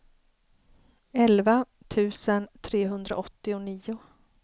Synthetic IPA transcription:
ɛlva | t̪ʰʉ̟ːsənt̪ʰɾeːɦɵnd̪ɾa̰ʔɔt̪ːɪʊniːʊ

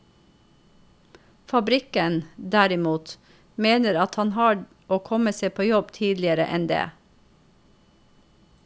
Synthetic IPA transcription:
fɑbɾɪkənd̪æɾɪmuːt̪ | meːnəɾɑt̪hɑnhɑː | oːkʰɔməseːpʰoːjɔbt̪ʰiːd̪lɪəɾə̰ʔɛnd̪ḛː

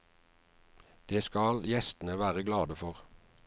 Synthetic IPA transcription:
d̪̥eːskɑljɛst̪n̩əʋæːʁəɡlɑːd̪əfɔʁ

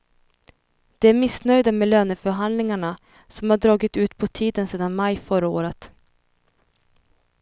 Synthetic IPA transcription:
d̪̥ɛæɾmɪsnœjd̪amɛløːnəfœɾɦand̪lɪŋaɳa | sɔmhaɖɾɑːɡɪt̪ʉ̟ːt̪pʰɔt̪ʰiːd̪ənseːd̪anmajfœɾaoːɾət̪

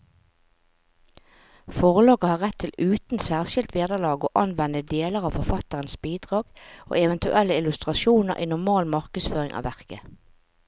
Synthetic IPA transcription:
fɔʁlɑːɡəhɑːʁɛt̪ʰːɪlʉːt̪n̩sæːʁʃɪlt̪ʰʋeːd̪əʁlɑːɡo̰ːʔɑnʋɛnəd̪eːləʁɑːʋfɔʁfɑt̪əʁənsbiːd̪ʁɑːɡ̥ʔo̰ːɛʋɛnt̪ʉʔɛlːəɪlʉst̪ʁɑʃuːnə̰ʁʔiːnʊʁmɑːlmɑʁkəsføːʁɪŋʔɑ̰ːʋæʁkə

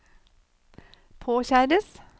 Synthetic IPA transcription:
pʰoːçæːɾəs

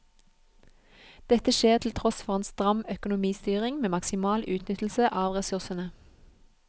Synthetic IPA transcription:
d̪̥ɛt̪əʃeːʁt̪ʰl̩t̪ʰʁɔsfɔʁeːnst̪ʁɑmœkʊnʊmiːst̪yːʁɪŋmeːmɑksɪmɑːlʔʉːt̪ʰnʏt̪l̩səʔɑːʋʁɛsʉʁsənə

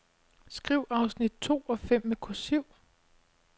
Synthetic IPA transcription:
sɡ̥ʁiʊʔɑ̈ʊsnid̥̚t͡sʰo̝̰ːɒ̽fem̰mekʰosyʊ̰

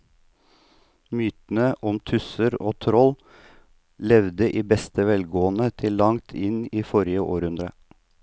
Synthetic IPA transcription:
myːt̪n̩əʔɔmt̪ʰʉsəɾoːt̪ʰɾɔl | lɛʋd̪əʔiːbɛst̪əʋɛlɡoːənət̪ʰɪlːɑŋt̪ʰɪniːfɔɾɪəʔo̰ːɾʉnd̪ɾə̰

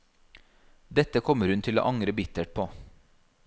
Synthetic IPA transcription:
d̪ɛt̪əkʰɔməɾhʉnt̪ʰɪlo̰ːʔɑŋɾəbɪt̪əʈ̚pʰoː

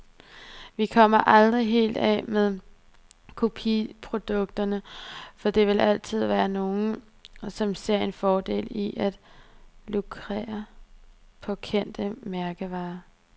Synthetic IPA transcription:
ʋikʰɒ̽m̰ɐʔɑ̈ld̥ʁiɦe̝̰ːld̥ɛ̰meðˠ | kʰo̝pʰipʰʁo̝d̥ɔ̽ɡ̥̚d̥ɐnəfɒ̽d̥e̝ʋe̝lʔæl̰t͡sʰið̞̰ˠʋæːɐno̝ːn̩ | sɒ̽mse̝ɐ̰e̝nfɒːd̥e̝̰ːliʔæd̥lukʰʁḛːɐ | pʰɒ̽kʰen̰d̥əmæɐɡ̥əʋɑ̈ː

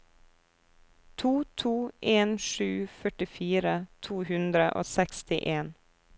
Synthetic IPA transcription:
t̪ʰuːt̪ʰuːʔeːnʃʉːfœʈɪfiːɾət̪ʰuːhʉnd̪ɾəʔo̰ːsɛkst̪ɪʔeːn

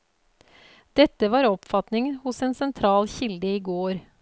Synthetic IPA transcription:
d̪̥ɛt̪ːəʋɑːɾɔpfɑt̪nɪŋhʊsɛeːnsɛnt̪ʰɾɑːlçɪld̪əiːɡoːɾ

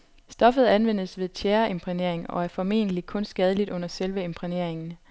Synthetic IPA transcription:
sd̥ɒ̽fð̩ˠænʋen̰sʋe̝ð̞ˠt͡ɕʰæːɐe̝mpʰʁine̝ɐ̰eŋɒ̽æɐfɒ̽me̝̰ːnəlikʰɔ̽nsɡ̥ɛːð̞ˠəlid̥ɔ̽n̰ɐselʋəe̝mpʰʁine̝ɐ̰eŋn̩

